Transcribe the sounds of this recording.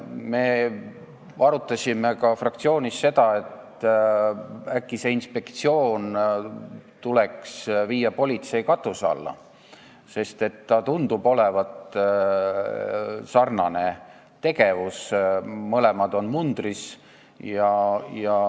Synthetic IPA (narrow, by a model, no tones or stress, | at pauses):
me̞ː | ɑɾut̪ːˑɑsʲime̞kɑfrɑkt̪sio̞ːnʲisːe̞d̪̥ɑe̞t̪ | ækːise̞inspe̞kt̪sio̞ːn | t̪ule̞ksviːjːɑpo̞lʲit̪se̞jkɑt̪ːˑusɑ̰lːɑ̰ | se̞st̪e̞t̪ːɑt̪und̪̥ub̥o̞levɑt̪ | sɑrnɑne̞ | t̪e̞ɡe̞vusmɤlemɑd̪̥o̞nmund̪ris | jɑjɑ